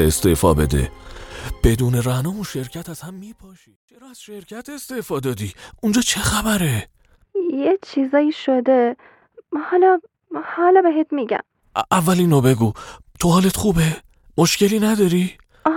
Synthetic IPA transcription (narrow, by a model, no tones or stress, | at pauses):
est̪e̞ːfɒ̰ːbe̞̰d̪ḛ | b̥e̞d̪uːne̞ɾænɒːunʃe̞ɾcʰæt̪æz̥hæmːiːpʰɒːʃiːt͡ʃʰeɾɒːæz̥ʃe̞ɾcʰæt̪e̞st̪e̞fɒːd̪ɒːd̪iːund͡ʒɒːt͡ʃʰe̞xæbæɾe̞ | jet͡ʃʰizɒːjiːʃod̪e | hɒlɒ | hɒːlɒbeɦet̪miːɟæ̰m | ʔævːæliːnobe̞ɡuː | t̪ʰohɒːlet̪χuːbe̞ | moʃce̞liːnæd̪ɒːɾi